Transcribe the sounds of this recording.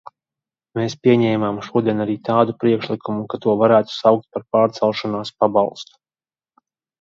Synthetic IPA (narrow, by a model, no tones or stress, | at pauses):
meːspʲiɛɲɛːmamʃuɔd̪iɛnaɾiːt̪aːd̪upɾiɛkʃlˠikʰumukat̪uɔvaɾæːt̪u̥sawk̚t̪̚paɾpaːɾt̪sɛlˠʃɔnaːspabalˠst̪u̥